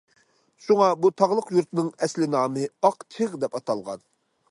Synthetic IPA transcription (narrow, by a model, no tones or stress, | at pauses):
ʃuŋɑbut̪ʰɑʁlˠəqjuɾt̪nɨŋɛslɪnɑːmɨɑqt͡ʃʰɨʁd̪ɛpɑt̪ʰɑlˠʁɑ̰n